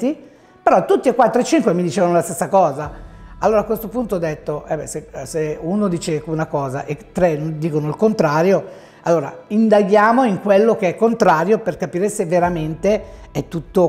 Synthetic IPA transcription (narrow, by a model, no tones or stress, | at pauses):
i | peɾɔt̪ːut̪ːiekːwat̪ːɾoet͡ʃːiŋkwemid̪it͡ʃeːvanolast̪esːakɔːzaalːoːɾakwest̪opunt̪oɔd̪ːet̪ːoʔɛbɛseseunod̪iːt͡ʃeunakɔːzaʔet̪ːɾenond̪iːkonoilkont̪ɾaːɾjo | alːoːɾa̰ind̪aɡjaːmoiŋkwelːokeɛkːont̪ɾaːɾjoperkapiːɾesevːeɾament̪eɛt̪ːut̪ːo